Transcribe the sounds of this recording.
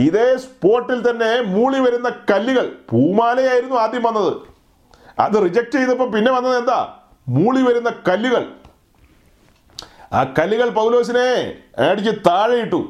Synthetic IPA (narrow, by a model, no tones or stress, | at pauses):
iðeːspo̞ːrʈːilt̪ɐnːe̞muːɭiʋɐɾunːɐkɐlːiɣɐɭpuːmaːlɐjaːjiɾunːuaːd̪ʱjɐmʋɐnːɐðɨ̰ | ɐ̰ðɨrid͡ʑɐk̚ʈt͡ɕejðɐp̬ːɐmpinːe̞ʋɐnːɐðe̞nd̪a̰ː | muːɭiʋɐɾunːɐkɐlːuɣɐɭ | a̰ːkɐlːuɣɐɭpɐwlo̞ːs̬ine̞ɐɽik̬ʲːɨt̪aːɻɐjiʈːu